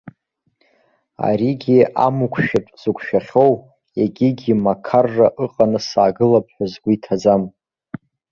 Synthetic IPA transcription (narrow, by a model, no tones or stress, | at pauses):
a̰ɾiɡʲia̰mukʷʰʃᶣɪpʼz̥ukʷʰʃᶣaχʲo̞w | jeɡʲiɡʲimakʰarːaʔɨqʼanɨsaːɡɨlap̚ʰʼħʷᶣazɡʷiitʰad͡zam